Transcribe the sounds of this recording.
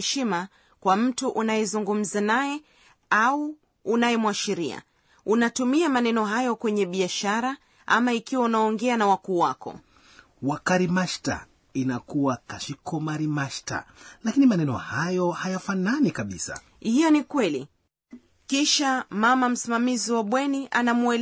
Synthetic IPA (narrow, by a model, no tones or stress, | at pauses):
ɛʃima | kwam̩tuʔunajɛzuŋɡum̩zanajɛ | auː | najɛmwaʃiɾia̰ | unatumiamanɛnɔɦajɔkwɛɲɛɓiaʃaɾa | ʔa̰maikiwaunaɔŋɡɛanawakuːwakɔ̰ | wakaɾimaʃta̰ | inakuwakaʃikɔmaɾimaʃta̰lakinimanɛnɔ̰hajɔhajafananikaɓisa̰ | hijɔnikwɛlḭ | kiʃamamam̩simamiziwaɓwɛniʔanamuɛl